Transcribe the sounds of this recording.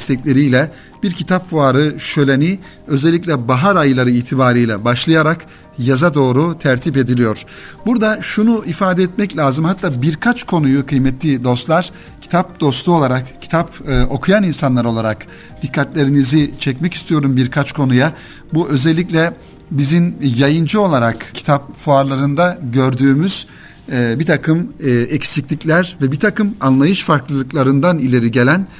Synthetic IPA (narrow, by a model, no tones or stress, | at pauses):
st̪ʰɛclʲe̞ɾijlʲɛ | biɾcʰit̪ʰapfuaːɾɯʃø̞lʲeni | ø̞zɛlʲːic̬ʲlʲɛbaɦaɾajlˠaɾɯiːt̪ʰibaːɾɯjlʲɛ̰baʃlˠajaɾak | jazad̪o̞ːɾut̪ʰæɾt̪ʰip̬e̞d̪ilʲijo̞ɾ̥ | buɾd̪aʃunuʔifaːd̪ɛɛt̪mɛclʲaːzɯmhat̪ːaːbiɾkʰat͡ʃkʰo̞nujukʰɯjmɛt̪ʰlʲid̪o̞st̪lˠaɾ̥ | cʰi̥t̪ʰap̚d̪̥o̞st̪ˠu̞lˠaɾakcʰːi̥t̪ʰapɯʔo̞kʰujaninsanlˠaɾo̞lˠaɾak | d̪̥ikʰːat̪lʲe̞ɾinizit͡ʃʰɛcmɛci̥st̪ʰijo̞ɾumbiɾkʰat͡ʃkʰo̞nuja | buʔø̞zɛlʲːicʲlʲɛ | bizinjajɯnd͡ʒɯo̞lˠaɾakcʰːi̥t̪ʰapfuaɾlˠaɾɯnd̪aɟøɾd̪yːmyz̥ | bit̪ʰakʰɯmɛcsiclʲiclʲæɾvɛbit̪ʰakɯmanlˠajɯʃfaɾklˠɯlˠɯklˠaɾɯnd̪anilʲe̞ɾiɟe̞lʲæn